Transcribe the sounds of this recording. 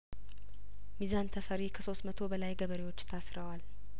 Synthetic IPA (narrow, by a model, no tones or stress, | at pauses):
mizant̪ʰəfəɾikʰəso̞st̪mət̪ʰo̞bəlajɡəβəɾewo̞t͡ʃːt̪ʰasɾəwal